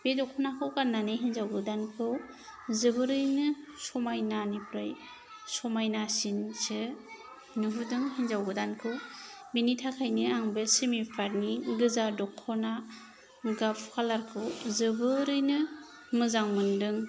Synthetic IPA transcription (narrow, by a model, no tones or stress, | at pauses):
b̥edɔkʰɔnakʰɯwkanːanɯɦinzawɡɯdankʰɯw | zɯbɯɾɯjnɯsɔmajnanipɾaj | sɔmajnasinsɯ | nɯɦudɯŋɦinzawɡɯdankʰɯw | binitʰakʰajnɯaŋbesemipʰaɾniɡɯzadɔkʰːɔna | ɡapʰkʰalaɾkʰɯwzɯbɯɾɯjnɯ | mɯzaŋmɯndɯŋ